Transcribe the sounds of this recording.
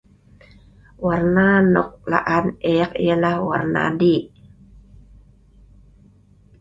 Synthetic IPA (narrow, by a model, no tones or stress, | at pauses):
warnanɔk̚la̰ʔanɛakḭjalahwa̰rna̰di